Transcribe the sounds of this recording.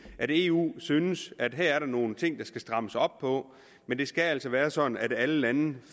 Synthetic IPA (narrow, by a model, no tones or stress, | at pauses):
ʔæɾe̝ṵːsyːnəsæd̥ɦæɐ̰æɐɾɑ̈no̝ːn̩t͡sʰe̝ŋ̰d̥ɑ̈sɡ̥æsd̥ʁɑ̈məsɒ̽b̥̚pʰɒ̽ | mend̥e̝sɡ̥ææl̰sɒʋæːɐsɒ̽d̥n̩æd̥æləlæn̩